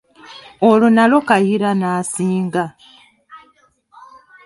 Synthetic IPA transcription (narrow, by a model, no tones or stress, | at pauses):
olonalo̞kajiɾanaːsiːŋɡa